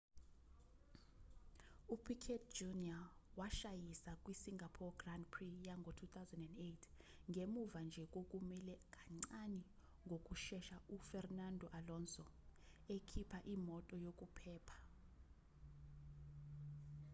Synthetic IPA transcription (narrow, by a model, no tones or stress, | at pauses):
upʰikʰɛtd͡ʒuniawaʃajisakʼwisiŋʱapʰɔɡrandpʰrijaŋɡʱɔtʰut̪awzɛndɛndetʰ | ŋɡʱemuvand͡ʒʱɛk̬ʼok̬ʼumilɛk̬ʼaŋ͡ǀani | ŋɡʱok̬ʼuʃɛʃaufɛrnandʱɔʔalɔnsɔ | ekʰipʰaʔimɔtʼɔjok̬ʼupʰɛːpʰḁ